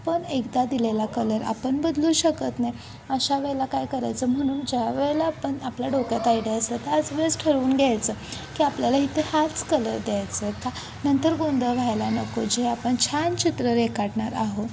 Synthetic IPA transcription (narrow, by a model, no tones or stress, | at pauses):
apəɳekd̪ad̪ilelakələɾa̰pəɳbəd̪luːɕəkət̪naj | əɕaʋeɭlakajkəɾajt͡səːm̤əɽ̃uːnd͡ʑjaʋeɭlaːpəɳapljaɖokjat̪aiɽeəst̪ət̪əad͡zʋəd͡zʈʰəɾuːnɡʱjajt͡səːkiːapljalaɦit̪ehat͡skələɾd̪jajt͡səa | nənt̪əɾɡond̪ʱəʋʱajlanəkod͡ʑiɦeapəɳt͡ɕʰant͡ɕit̪ɾəɾekaɽɳaɾaɦo